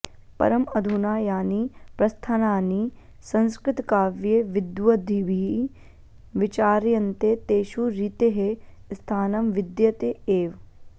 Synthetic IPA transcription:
pɐ̰ɾɐmɐd̪ʱunaːjaːnipɾɐst̪ʰanaːni | sɐ̃nskɾɪt̪kaːʋjeʋɪd̪ʋɐd̪ʱiʋi | ʋɪt͡ʃaːɾjɐnt̪et̪eːʃuɾit̪eɦest̪ʰaːnɐmʋɪd̪jɐt̪eeːʋ

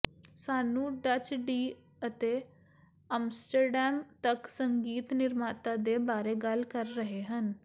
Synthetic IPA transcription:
saːnũːɖət͡ʃɖiː | ət̪eː | əmsʈəɾɖɛːmt̪əksəŋɡiːt̪nɪɾmaːt̪aːd̪eːbaːɾeːɡəlkəɾːəɦeːɦən

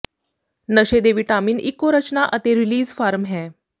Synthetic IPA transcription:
nəɕed̪eʋiʈamiːnʔikːoɾət͡ɕnaʔət̪eɾiliːzfaɾmɦɛ̃

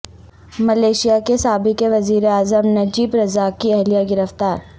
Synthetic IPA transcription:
mɐleːʃijakesaːbɪkeʋɐziːɾeaːzəmnɐd͡ʒiːbɾɐzaːkiɛɦlijaɡɪɾəft̪aːɾ

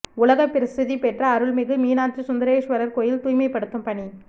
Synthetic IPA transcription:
ʊlɐɣɐpːɪɾɪst̪ɪðipɛʈrɐːɾɯɭmɪɣɯmiːnaːt͡ʃɯsʊnd̪ɐɾeːʂʋɐɾɐɾkoːjɪlt̪uːjmɐɪpːɐɽɯt̪ːɯmpɐɳi

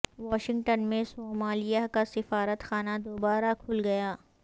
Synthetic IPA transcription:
ʋaːʃɪ̃ŋɡʈənmẽsoːmaːlijakasɪfaːɾət̪xaːnad̪oːbaːɾakʰʊlɡɐjaː

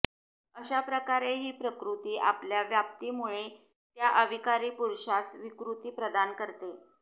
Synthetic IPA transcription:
əɕapɾəkaɾeɦiːpɾəkɾut̪iːʔapljaʋjap̚t̪iːmuɭe | t̪jaʔəʋʱikaɾiːpuɾɕasʋikɾut̪iːpɾəd̪ankəɾt̪e

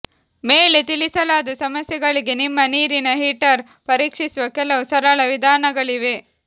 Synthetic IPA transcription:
meːlet̪ilisɐlaːd̪ɐsɐmɐsjɛɡɐɭiɡe̞nimːɐniːɾinɐɦiʈɐɾ | pɐɾiːkʂisuʋɐkɛlɐʋusɐɾaːɭɐʋid̪ʱaːnɐɡɐɭiʋe̞

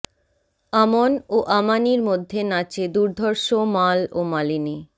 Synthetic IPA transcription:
amonoʔamaniɾmod̪ʱːenat͡ɕed̪uɾd̪ʱɔɾʃomalomalini

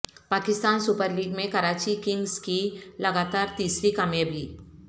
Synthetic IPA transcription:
paːkɪst̪aːnsʊpəɾliːɡmẽkɐɾaːt͡ʃikɪ̃ŋɡzkilɐɡaːt̪aːɾt̪iːsɾikamjebʱiː

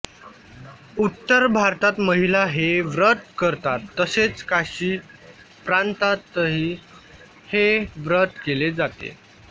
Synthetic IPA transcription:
ut̪ːəɾbʱaɾt̪at̪məɦilaɦeʋɾət̪kəɾt̪at̪ːəset͡skaɕiː | pɾant̪at̪ːəɦiː | heʋɾət̪keled͡zat̪ḛ

